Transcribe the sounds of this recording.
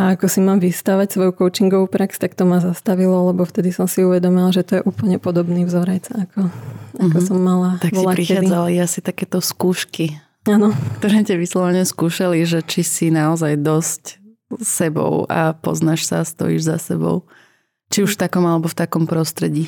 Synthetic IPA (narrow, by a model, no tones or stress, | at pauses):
aakɔsimaːmʋist̪aʋacsʋɔjukɔʊt͡ʃiŋɡɔʋuːpɾakst̪akt̪ɔmazast̪aʋilɔlɛbɔft̪ɛd̪isɔmsiuʋɛd̪ɔmilaʒɛt̪ɔjɛʔuːpl̩ɲɛpɔd̪ɔbniːvzɔɾɛt͡saakʰɔakɔsɔmːalat̪akʋɔɛlaɾixɛaːd͡zaliasit̪akɛːt̪ɔskuːʃki | aːnɔkt̪ɔɾɛːcaʋislɔʋɛɲɛskuːʃaliʒɛt͡ʃisinaɔzajd̪ɔsc | sɛbɔ̰ʊa̰pɔ̰znaʃsa̰ːst̪ɔ̰jḭːʒza̰sɛbɔ̰ʊ | t͡ʃiuʃft̪akɔmalɛbɔft̪akɔmpɾɔst̪ɾɛɟiː